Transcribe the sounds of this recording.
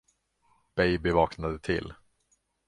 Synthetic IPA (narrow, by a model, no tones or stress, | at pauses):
b̥ɛjbɪvɑːknad̪ət̪ʰɪ̰lː